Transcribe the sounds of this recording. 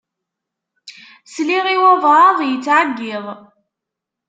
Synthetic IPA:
sliʁiwævɾˤɑðˤjət͡sːʕaɡːɪðˤ

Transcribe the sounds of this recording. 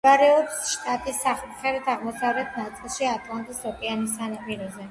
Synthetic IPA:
aɾɛɔpsʃt̪ʼat̪ʼisːaχlχɛɾɛt̪ʰaʁmɔsavlɛt̪ʰnat̪sʼilˠʃiat̪ʼlˠant̪ʼisɾɔpʼianisanapʼiɾɔzɛ

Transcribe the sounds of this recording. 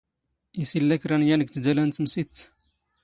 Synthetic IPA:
isilːekɾɐnjɐnik̚t͡sd͡ʒɐlɐnt͡smsit͡s

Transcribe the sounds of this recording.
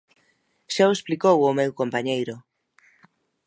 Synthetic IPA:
ʃawesplikowomewkompaɲejɾʊ

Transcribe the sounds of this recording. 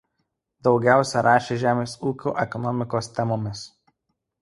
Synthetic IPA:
d̪ɒʊɡʲæˑʊsʲɛɾʔɑːʃʲeːʒʲæːmʲeːsuːkʲṵːʔɛkɔnɔmʲɪkoːst̪ʲɛmoːmʲɪs

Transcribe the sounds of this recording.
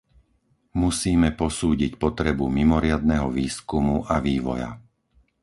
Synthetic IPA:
musiːmɛpɔsuːɟicpɔt̪ɾɛbumimɔɾɪad̪̚nɛɦɔʋiːskumuʔaʋiːʋɔ̰ja̰

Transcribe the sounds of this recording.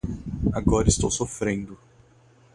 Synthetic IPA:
aɡɔɾɐist̪owsofɾẽnd̪ʊ

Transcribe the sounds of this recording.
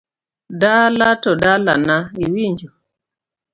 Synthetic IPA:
dalatɔdala̰naiwiɲd͡ʒɔ

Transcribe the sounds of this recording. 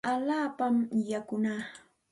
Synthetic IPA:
alaːpamjakʊnaː

